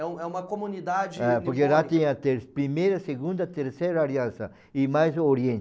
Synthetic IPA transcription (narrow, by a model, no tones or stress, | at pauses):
ɛũɛũmɐkomunid̪ad͡ʒɪɛpoɾkeʒat̪ẽɲɐt̪eɾpɾimejɾɐseɡũnd̪ɐt̪eɾsejɾɐaɾiɐ̃nsɐ | ɪmajzoɾjẽnt͡ʃ